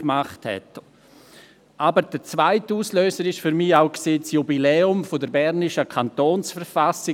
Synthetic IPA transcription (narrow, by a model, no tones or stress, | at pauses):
maχthɛ̰t | ʔaːbəɾd̥ət͡svaɪtuːsløːsəɾɪʃfyɾmiːaʊkseːsjubilɛːʊmfodəɾbɛɾnɪʃəkʰantoːnsfəɾfasɪ